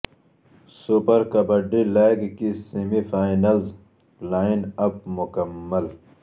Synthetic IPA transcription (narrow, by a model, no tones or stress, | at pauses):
supɐɾkɐbɐɖilaːɡkisimifaːjnɐlz | laːinɐp̚mukɐmːɐl